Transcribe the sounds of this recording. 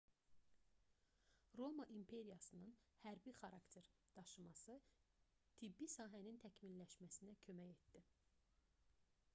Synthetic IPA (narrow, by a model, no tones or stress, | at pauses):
ɾo̞mɑʔimpʰe̞ɾijɑsɯnɯnhæɾbixɑɾɑkt̪ʰe̞ɾd̪̥ɑʃɯmɑsɯ | t̪ʰibːisɑːɦænint̪ʰæcminlæʃmæsinæcʰø̞mæje̞t̪d̪i